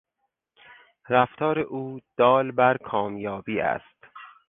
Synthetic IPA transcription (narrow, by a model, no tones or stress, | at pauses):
ɾæft̪ʰɒːɾeʔuːd̪̥ɒːlbæɾkʰɒːmjɒːbiːæ̰st̪